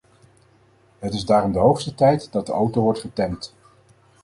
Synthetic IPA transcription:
ɦətɪzdaːɾɔmdəɦowχstətɛjtdɑt̚dəʔowtowʋɔɹtχətɛnt

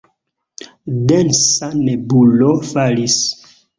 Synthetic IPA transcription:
densanebulofalis

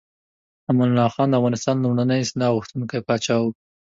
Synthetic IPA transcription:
amanlɑxɑnd̪əavɣɑnɪst̪ɑnlumɽanəjsnɑɣuxt̪unkajpɑt͡ʃɑwu

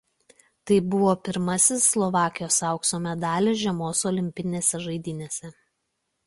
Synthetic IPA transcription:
t̪ɐɪbʊʋoːpʲɪɾmɐsʲɪsːlˠɔʋɑːkʲɪjoːsɑˑʊksoːmʲɛd̪ɑːlʲeʒʲɛmoːsɔlʲɪmʲpʲɪnʲeːsʲɛʒɐɪd̪ʲɪːnʲeːsʲɛ

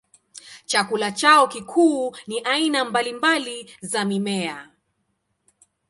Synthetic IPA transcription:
t͡ʃakulat͡ʃaɔkikʰuːniʔainambalimbalizamimɛa

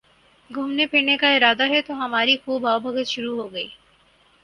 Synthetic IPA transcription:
ɡʱʊmnepʰɪʈnekaɪɾaːd̪aɦɛt̪oɦɐmaːɾixuːbʱaːbʱɐkət̪ʃʊɾuɦoːɡɐiː

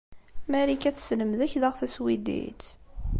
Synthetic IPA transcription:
mæɾikæθsləmðæçðəʁθæswid̪ḭt͡s

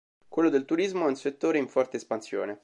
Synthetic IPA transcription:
kwelːod̪elt̪uɾizmoɛunset̪ːoːɾeiɱfɔrt̪eːspansjo̰ːne

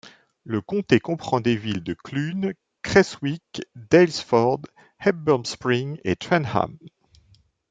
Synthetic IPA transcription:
ləkɔ̃t̪ekɔ̃pχɑ̃d̪evild̪əklyn | kχɛswikd̪ɛlsfɔʁd̪ | hɛt̚bɔmspχiŋḛt̪wɛnha̰m

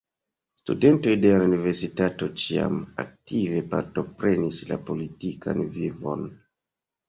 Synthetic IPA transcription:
stṵde̞nto̞jde̞launive̞ɾsitato̞t͡ʃia̰ma̰k̚tive̞pa̰ɾto̞pɾe̞nisla̰po̞litikʰa̰nvivo̞̰n

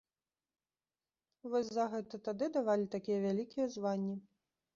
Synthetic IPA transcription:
vɔsʲzɐɣɛt̪ɐt̪ad̪ɨd̪avalʲit̪akʲijɛvʲalʲikʲʰijɛzvanʲːi

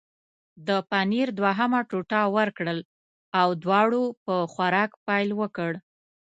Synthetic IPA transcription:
d̪əpaniɾd̪waɦamaʈuʈɑwəɾkɽəl | awd̪wɑɽopəxwaɾɑkpajlwəkəɽ

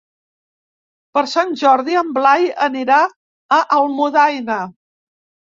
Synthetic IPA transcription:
pəɾsanʲʒɔɾðiəmblajəniɾa | əʔəlˠmuðajnə

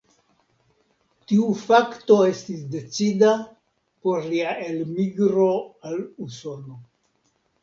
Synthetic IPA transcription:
tiufakto̞e̞stisde̞t͡sida | po̞ɾliaʔe̞lmiɡɾo̞aluso̞no̞

